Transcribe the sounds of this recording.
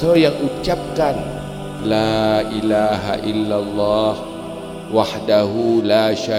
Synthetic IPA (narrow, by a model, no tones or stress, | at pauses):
əjaŋʔut͡ʃap̚kan | laːʔilaɦa̰ʔilːalˤːɑːh | waħdaɦulaːʃa